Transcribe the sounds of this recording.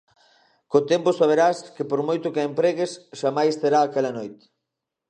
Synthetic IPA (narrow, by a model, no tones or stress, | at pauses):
kot̪ɛmposaβ̞eɾaskepoɾmojt̪okaempɾɛɣesʃamajst̪eɾaːkɛlɐnojt̪